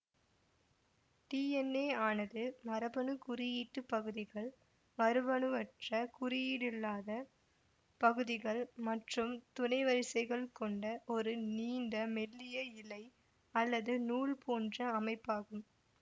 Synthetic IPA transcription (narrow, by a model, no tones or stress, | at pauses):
ʈiːɛnːeːaːnɐðɯmɐɾɐbɐnɯkʊɾɪjiːʈːɯpːɐɣɯðɪɣɐɭ | mɐɾɯbɐɳɯʋɐʈrɐkʊɾɪjiːɽɪlːaːðɐ | pɐɣɯðɪɣɐɭmɐʈrɯmt̪ʊnɐɪʋɐɾɪsɐɪɣɐɭkɔɳɖɐʔɔɾɯniːɳɖɐmɛlːɪjɐɪlɐɪ | ɐlːɐðɯnuːɭpoːndrɐɐmɐɪpːaːɣɯm